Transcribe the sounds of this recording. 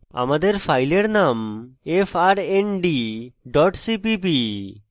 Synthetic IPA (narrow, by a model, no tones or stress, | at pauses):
a̰mad̪eɾpʰajleɾnamefʰaɾenɖiɖɔʈsipibi